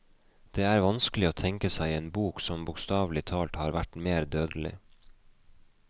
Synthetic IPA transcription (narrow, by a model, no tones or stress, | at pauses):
d̪̥eːæːɾʋɑnskəlɪoːt̪ʰɛŋkəsæɪeːnbuːksɔmbʊːkst̪ɑːʋlɪt̪ʰɑːlt̪hɑːɾʋæʈmeːɾd̪øːd̪əlɪ̰